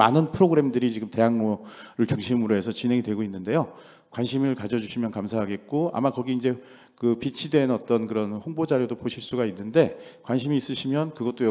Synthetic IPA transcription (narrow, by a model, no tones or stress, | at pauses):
a̰nɯnpʰɯɾoɡɯɾe̞mdɯɾit͡ɕiɡɯmte̞ɦaŋnoɾɯɭt͡ɕuŋɕʰimɯɾoɦe̞sʰʌt͡ɕinɦe̞ŋidwe̞ɡoinːɯnde̞jo | kwanɕʰimɯɭkad͡ʑʌd͡ʑuɕʰimjʌnkamsʰaɦaɡet̚k͈oa̰makʌɡiːnd͡ʑe̞ | kɯpit͡ɕʰidwe̞nʌt͈ʌnkɯɾʌnɸoŋbod͡ʑaɾjodopoɕʰiɭs͈uɡainːɯnde̞kwanɕʰimiːs͈ɯɕʰimjʌnkɯɡʌt͈̚oj